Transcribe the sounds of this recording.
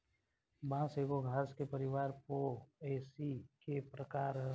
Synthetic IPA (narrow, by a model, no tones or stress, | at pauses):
bãseɡoɡʱaːskepəɾɪʋaːɾpoeːsikepɾəkaːɾ